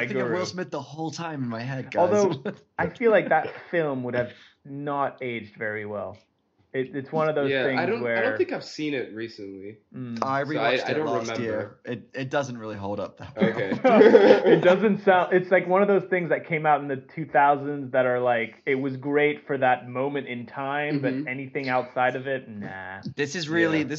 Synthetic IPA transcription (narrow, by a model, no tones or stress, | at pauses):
aɪɡɪ̃ɨwɪsmɪt̪̚ðəhoʊlˠtʰãɪ̃m̃n̩maɪɦɛd̚ɡɔlˠðoʊ | aɪfilaɪk̚ðɨtfɪlˠmwʊɾɨv | nəɾeɪd͡ʒdvɛɹiwɛ̰lˠ | ɪɾɨtswʌ̃nʌvðoʊjzæθɪ̃ŋɪdzõʊ̃wə˞dõθɪ̃ŋkaɪv̥sĩnɪt̚ɹisɨ̃nli | aɪɹiaɪaɪõʊ̃lnɹɨmɛ̃mɪɹɪt̚ɪt̚d̥ʌzn̩t̚ɹɪlˠiɦoʊlˠdʌ̰p̚ðæ̰t̚oʊeɪ | ɨt̚dd̥ʌzɨ̃ntsãʊ̃ndɨtslaɪkwʌ̃nʌvðoʊz̥θɪ̃ŋzðɨt̚kʰẽɪ̃maʊɾn̩ðɨtʰʉθaʊzɨ̃nzðɨɾə˞laɪkɪt̚wʌzɡɹeɪtfə˞ðət̚mõʊ̃mɨ̃ntɨ̃ntʰãɪ̃mbʌɾɛniθɪ̃ŋaʊtsaɪɾʌvɪt̚næ̰ðɪsɨzɹɪlˠiðɪ